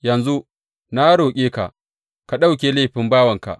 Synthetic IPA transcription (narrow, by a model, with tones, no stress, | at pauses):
jɐ˨nzu˦ | na˦ɽoː˨kʲʼeː˦ka̰˨ʔ | ka˨ɗa˦wk̬ʲeː˨leː˦˨ɸɪ˨˦mbaː˦wɐ˨ŋka̰˨ʔ